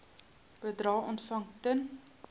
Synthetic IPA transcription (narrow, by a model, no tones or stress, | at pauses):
b̥ədrɑːʔɔntfɐŋtən